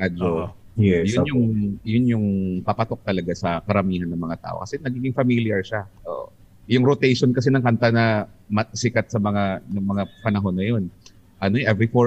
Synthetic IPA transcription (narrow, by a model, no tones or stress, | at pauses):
ad͡ʒo | jʊnjʊŋjʊnjʊŋpɐpɐt̪o̞k̚t̪ɐlɐɡasɐkɐɾɐmiːhɐnːɐŋmɐŋat̪a̰ːʔokɐsɛnɐɡiːɡɪŋfɐmiljɐɹʃaʔo̰ːʔo | jʊŋɾot̪ɛjʃonkɐs̬ɛnɐŋkɐnt̪anɐmɐsɪkɐt̪̚sɐmɐŋanɐmɐŋapɐnɐɦo̞nːɐjon | ʔɐnoʔɛvɾifo